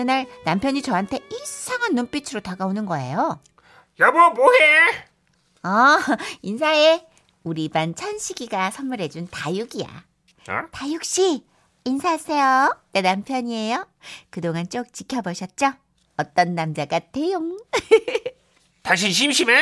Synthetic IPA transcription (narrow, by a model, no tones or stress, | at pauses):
ɯnaɾnampʰjʌɲit͡ɕʌɦantʰe̞iɭs͈ʰaŋɦanːomp͈ʰit͡ɕʰɯɾotaɡaonɯnɡʌejo | jabuomoɦe | ʌinsʰae | uɾibant͡ɕʰanɕʰiɡiɡasʰʌmːɯɾe̞d͡ʑuntajuɡija̰ | tajuk̚ɕ͈iː | nsʰas͈ejonenampʰjʌɲie̞jo | kɯdoŋant͡ɕ͈ok̚t͡ɕikʰjʌbʌɕʰʌt̚t͡ɕ͈ʌ | ʌt͈ʌnːamd͡ʑaɡatejoŋ | taŋɕ̬ʰiɕʰimɕʰime